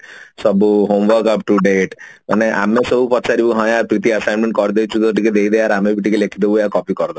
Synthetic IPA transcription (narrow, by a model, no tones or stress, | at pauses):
sɔbuɦomʋəɾkapʈuɖeʈma̰neʔa̰mesɔbupɔt̪ːt͡ʃʰaɾibuɦɔ̃jaɾpɾit̪iəsajnmẽɳʈkɔɾd̪ewt͡ʃʰut̪oʈiked̪ejd̪ejaɾamebʱiʈikelekʰid̪ebuakɔpikɔɾd̪ɔ